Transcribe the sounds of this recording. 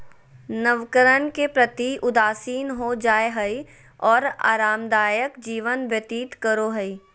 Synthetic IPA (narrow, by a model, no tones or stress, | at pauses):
nəʋkəɾənkepɾət̪iʔʊd̪aːsiːnɦod͡ʒaːeɦəi | ɔːɾa̰ːɾaːmd̪aːjəkd͡ʒiːʋənʋjət̪iːt̪kəɾoɦəi